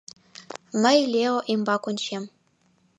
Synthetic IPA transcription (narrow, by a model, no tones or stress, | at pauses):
mɘ̆jlʲeoʔimbɑkonʲɕem